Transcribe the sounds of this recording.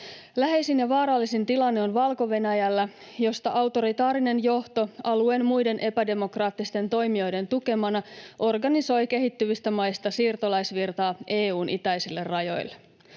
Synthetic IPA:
læɦe̞jsinjɑʋɑːɾɑlːisint̪ilɑnːeonʋɑlko̞ʋe̞næjælːæ | jo̞st̪ɑʔɑwt̪o̞ɾit̪ɑːɾine̞njo̞ht̪o̞ɑlue̞ːnmujde̞nʔe̞pæde̞mo̞krɑːt̪ːist̪e̞nt̪o̞jmio̞jde̞nt̪uke̞mɑnɑʔo̞rɡɑniso̞jk̟e̞ɦit̪ːyʋist̪æmɑjst̪ɑsiːrt̪o̞lɑjsʋirt̪ɑːe̞ːuːnʔḭt̪æjsilːe̞rːɑjo̞̰jlːe

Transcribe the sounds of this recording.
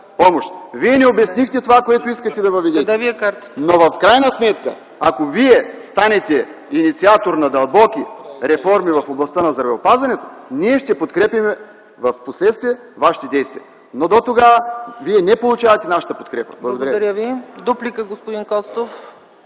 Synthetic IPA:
pɔmoʃt̪viɛnɛobɛsnixt̪ɛt̪ovakoɛt̪oiskət̪ɛd̪ɐvɐvɛd̪ɛt̪aviɛkaɾt̪ə̥t̪novɐfkɾajnɐsmɛt̪kə̰ | akoviɛst̪anɛt̪ɛ | init̪siat̪oɾnɐd̪ɐlˠbɔk̟ʲiɾɛfɔɾmivɐfoblˠɐst̪ənɐzd̪ɾɐvɛopazvɐnɛt̪o̥niɛʃt̪ɛpot̪kɾɛpimɛ | vɐfposlɛt̪st̪viɛ | vaʃi̥t̪ɛd̪ɛjst̪vijɛ | nod̪ot̪oɡaviɛnɛpolˠut͡ʃavɐt̪ɛnaʃə̥t̪əpot̪kɾɛpə̥̰blˠɡod̪ɐɾdɐɾʲavid̪uplikəɡospʊd̪inkɔst̪of

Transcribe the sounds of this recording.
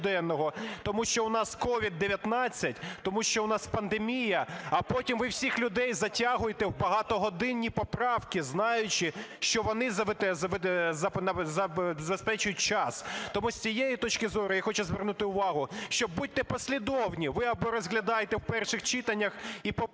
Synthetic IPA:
d̪ɛnːɔɦɔt̪ɔmuʃt͡ʃɔʊnɑskɔʋʲid̪ːeʋʲjɐt̪nɑt͡sʲːɐtʲt̪ɔmuʃt͡ʃɔʊnɑspɐnd̪emʲijɐɐpɔtʲimʋɪwsʲixlʲʊd̪ɛjzɐtʲɑɦʊjet̪ɛwbɐɦɑt̪ɔɦɔd̪ɪnʲːipɔpɾɑwkɪznɑjʊt͡ʃɪʃt͡ʃɔʋɔnɪzɐzɐzɐnɐzɐzɐbespɛt͡ʃʊjʊt̚ʲt͡ʃɑst̪ɔmusʲt͡sʲijejit̪ɔt͡ʃkɪzɔɾʊjaxɔt͡ʃʊzʋɪrnʊt̪ɪʊʋɑɦʊʃt͡ʃɔbbut̪̚ʲt̪ɛpɔsʲlʲid̪ɔwnʲiʋɪɐbɔɾɔzɦlʲɐd̪ɑjet̪ɛwpɛrʃɪxt͡ʃɪt̪ɐnʲːɐxipɔ

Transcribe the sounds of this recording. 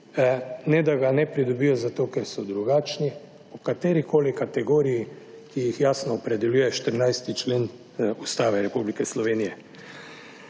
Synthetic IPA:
nɛd̪aɡanɛpɾid̪ɔbiːjɔzat̪oːkɛɾsɔd̪ɾuɡaːt͡ʃni | ɔkat̪eːɾikoːlikat̪ɛɡoːɾiji | kijixjaːsnɔːpɾɛd̪ɛljuːjɛʃt̪əɾnajst̪it͡ʃleːn | ust̪aːʋɛɾɛpublikɛslɔʋeːnijɛ

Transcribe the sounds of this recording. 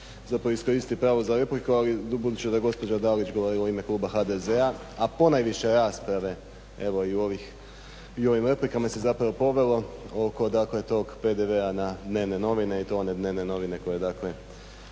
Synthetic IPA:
zapɾaʋoisko̞ɾist̪ipɾaːʋozaɾe̞plikualibud̪ut͡ʃed̪aɡo̞spo̞d͡ʒad̪alit͡ʃɡo̞ʋoɾioime̞klˠuːbaxad̪e̞zea | apo̞najʋiʃe̞ɾaːspɾaʋe̞ | e̞ʋo̞iuoʋix | io̞ʋimɾe̞plikamase̞zapɾaʋo̞po̞ʋe̞lˠo̞o̞ko̞d̪akle̞t̪o̞ɡpe̞d̪eʋe̞anad̪ne̞ːʋne̞no̞ʋine̞it̪o̞one̞d̪ne̞ːʋne̞no̞ʋine̞ko̞je̞d̪akle̞

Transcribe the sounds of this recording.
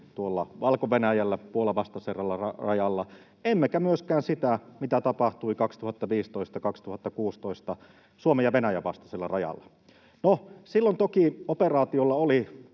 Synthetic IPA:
t̪uolːɑʋɑlkoʋenæjælːæpuolɑʋɑst̪ɑserɑlːɑɑrɑjɑlːɑ | emːekæmyøskæːnsit̪æmit̪æt̪ɑpɑht̪uikɑkst̪uhɑt̪ːɑʋiːst̪oist̪ɑkɑkst̪uhɑt̪ːɑkuːst̪oist̪ɑ | suomejɑʋenæjæʋɑst̪ɑ̥selːɑ̰rɑjɑ̰lːɑ | nosilːont̪okioperɑːt̪iolːɑoli

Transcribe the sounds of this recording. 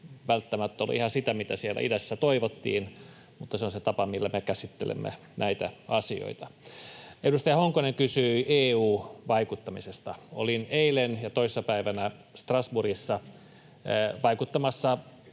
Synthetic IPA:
ʋælt̪ːæmæt̪ːol̰ihɑsit̪æmit̪æsielːæ̰ʔidæsːæt̪oiʋot̪ːḭːn | mut̪ːɑseonset̪ɑpɑmilːæmekæsit̪ːḛlḛmːḛ | næit̪æɑsio̰it̪ɑ | edust̪ɑjɑhoŋkoneŋkysyːeːuːʋɑikut̪ːɑmisest̪ɑolineilenjɑt̪oisesːɑpæiʋænæst̪rɑsburisːɑ | ʋɑikut̪ːɑmɑsːɑ

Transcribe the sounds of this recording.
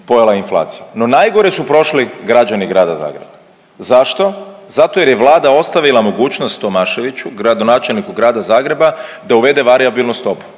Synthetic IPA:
po̞jelainflˠa̰ːt̪sijano̞najɡo̞ɾesupɾo̞ʃliɡɾad͡ʒaniɡɾaːd̪aza̰ːɡɾe̞ba | zaʃt̪o̞zat̪o̞je̞ɾjeʋlˠaːd̪ao̞st̪aʋilˠamo̞ɡuːt͡ʃnost̪ːo̞maːʃe̞ʋit͡ɕuɡɾad̪o̞naːt͡ʃe̞lnikuɡɾaːd̪azaːɡɾe̞ba | d̪auʋe̞d̪e̞ʋaɾiabilˠnust̪o̞pu̥

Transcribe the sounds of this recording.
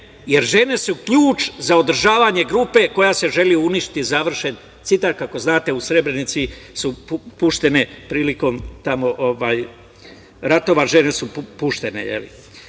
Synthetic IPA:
je̞ɾʒe̞ne̞sukʎuːt͡ʃzao̞d̪ɾ̩ʒaːʋaɲe̞ɡɾuːpe̞ko̞jase̞ʒe̞liuuniʃt̪i̥t̪izaʋr̩ʃe̞n | t̪sit̪aɾkako̞znaːt̪e̞usɾe̞bɾe̞nit̪sisupuʃt̪e̞ne̞pɾiːliko̞mt̪amo̞ʔoʋaːj | ɾat̪o̞ʋaʒe̞ne̞suppuʃt̪e̞ne̞̰jḛlḭ

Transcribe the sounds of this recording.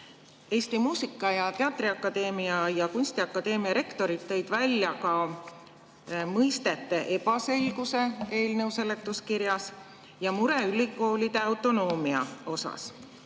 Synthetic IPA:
e̞ːst̪imuːsikːˑɑjɑt̪e̞ɑt̪ˑriɑkːˑɑd̪̥e̞ːmiɑjɑkunʲsʲt̪iɑkːˑɑd̪e̞ːmiɑɾe̞kt̪o̞ɾit̪ːe̞jd̪̥vælʲːjɑkɑ | mɤjst̪e̞t̪ːˑe̞ʔe̞pɑse̞lɡ̥use̞e̞ːlnɤwse̞le̞t̪ːˑuskiɾjɑs | jɑmuɾeylʲikːˑo̞ːlʲid̪̥e̞ɑwt̪ːˑo̞no̞ːmiɑo̞sɑ̰s

